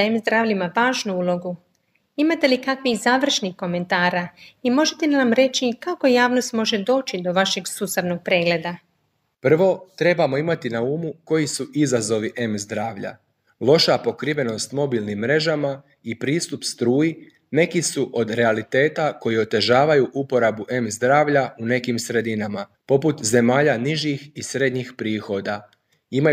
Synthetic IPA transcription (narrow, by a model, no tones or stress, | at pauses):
emzd̪ɾaːʋʎimaʋaːʒnuuːlo̞ɡu | imat̪e̞likakʋizaːʋr̩ʃnixko̞me̞nt̪aːɾaimo̞ʒet̪e̞namɾe̞t͡ʃikako̞jaːʋno̞st̪mo̞ʒe̞d̪o̞ːt͡ʃid̪o̞ʋaʃe̞ɡsusaʋno̞ɡ̚pɾe̞ːɡle̞d̪a | pr̩ʋo̞t̪ɾe̞bamo̞imat̪inauːmuko̞jisuʔizazo̞ʋiʔe̞mzd̪ɾaːʋʎa̰ | lˠo̞ʃapo̞kɾiʋe̞no̞st̪mo̞bilˠnimːɾe̞ʒama | ipɾiːst̪upst̪ɾuːji | ne̞kisuʔo̞d̪ɾe̞alit̪e̞ːt̪ako̞jio̞t̪e̞ʒaːʋajuʔupo̞ɾabuʔe̞mzd̪ɾaːʋʎaune̞kimsɾe̞d̪inama | po̞put̪ze̞maːʎaniʒixisɾe̞d̪ɲixpɾiːxo̞d̪a | ima